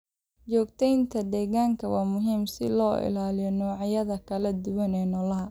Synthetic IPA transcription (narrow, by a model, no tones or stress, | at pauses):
t͡ʃɔːɡt̪ʰɛjnt̪ʰɐd̪ɛːɣaːŋkʰɐwɑːmʊɦiːmsɪ̰lɔːʔɪ̰laːlɪjɔnɔːʕɑjɐðɐkʰɐlɐd̪ʊwɐnɛːnɔːlɐɦɐ